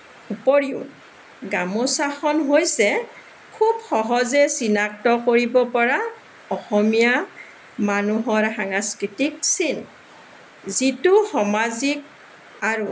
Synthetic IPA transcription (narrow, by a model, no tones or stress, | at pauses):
upoɹiʊ̰ | ɡamosaxɔnɦojsɛ | kʰubxɔɦɔzɛsinak̚tɔkoɹibɔpɔɹa | ɔxɔmija | manuɦɔɹhaŋaskɹitik̚sin | zituxɔmazik̚ | aɹu